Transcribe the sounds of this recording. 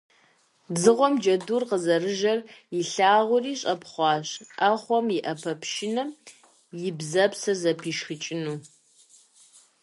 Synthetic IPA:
zɨʁʷɔmd͡ʒɐdurqəzɐrɨʒɐrjɪɬaːʁʷʊriːɕʼɐpχʷɑːɕʔɐχʷɔmiʔɐpʰɐpʰʃɪnɐ | jɪbzɐpsɐzɐpʰiːʃxɨt͡ʃʼɪnuː

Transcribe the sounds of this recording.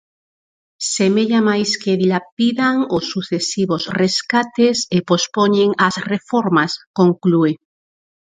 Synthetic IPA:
semeʎamajskeðilapiðaŋosːuθesiβosreskat̪esepospoɲeŋasrefoɾmaskoŋklue

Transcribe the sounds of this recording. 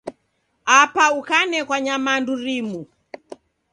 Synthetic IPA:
apaukanɛkwaɲamanduɾimu

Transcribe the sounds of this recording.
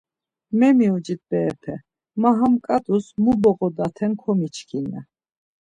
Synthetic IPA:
mɛmiud͡ʒit̪̚bɛːpʰɛ | maɦamkʼad̪usmubɔʁɔd̪at̪ʰɛnkʰɔmit͡ʃʰkʰinɛ̰

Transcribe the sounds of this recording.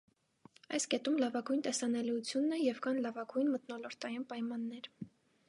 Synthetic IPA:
ɑjskɛt̪umlɑvɑɡujnt̪ɛsɑnɛliut͡sʰjunːɛjɛvkɑnlɑvɑɡujnmət̪nɔlɔɾt̪ɑjinpɑjmɑnːɛɾ

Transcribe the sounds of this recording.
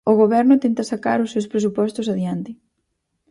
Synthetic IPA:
oɣoβ̞ɛɾnʊt̪ɛnt̪ɐsaka̰ɾʊsːewspɾes̬upɔst̪ʊsaðjant̪ɪ

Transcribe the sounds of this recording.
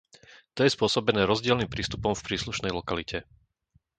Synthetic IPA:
t̪ɔjɛspʊɔsɔbɛnɛːɾɔzɟɪɛlnimpɾiːst̪upɔmfpɾiːsluʃnɛjlɔkalicʰɛ

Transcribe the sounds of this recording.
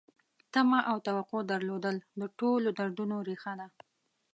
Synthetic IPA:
t̪amaʔawt̪awaqod̪əɾlod̪əld̪əʈolod̪aɾɖunoɾexana

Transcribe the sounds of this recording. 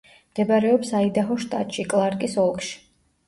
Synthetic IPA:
md̪̥ɛbaɾɛɔpsaid̪aɦɔʃt̪ʼa̰t̪ʼʃikʼlˠaɾkʼisɔlˠkʼʃi̥

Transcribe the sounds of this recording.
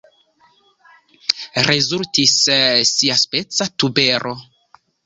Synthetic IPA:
ɾezultissiaspet͡satubeɾʔo

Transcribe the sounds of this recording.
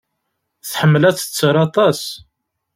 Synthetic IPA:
θħəmːəlæt͡sə̥t͡sːəɾˤɑt̪ˤɑs

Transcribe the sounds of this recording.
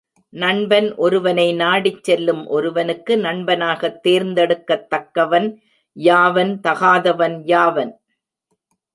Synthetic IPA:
nɐɳbɐnʔɔɾɯʋɐnɐɪnaːɽɪt͡ʃːɛlːɯmʔɔɾɯʋɐnɯkːɯnɐɳbɐnaːɣɐt̪ːeːɾnd̪ɛɽɯkːɐt̪ːɐkːɐʋɐn | jaːʋɐnt̪ɐɣaːðɐʋɐnjaːʋɐn

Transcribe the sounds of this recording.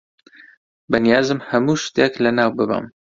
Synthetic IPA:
bɨnijaːzɨmhæmuːʃt̪jɛklɨnɑːwbɨba̰m

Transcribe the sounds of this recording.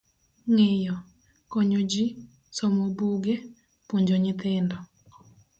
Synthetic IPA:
ŋɪjɔ | kɔɲod͡ʒi | sɔmobuɡɛ | poɲd͡ʒoɲɪt̪ɪndɔ

